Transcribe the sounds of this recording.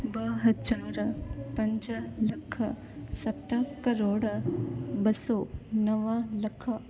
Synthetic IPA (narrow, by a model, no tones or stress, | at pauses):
bəɦɐd͡ʒaːɾpɐɲd͡ʒɐlɐkʰːɐ | sɐt̪ːɐkɐɾoːɽ | bɐsonɐʋɐlɐkʰɐ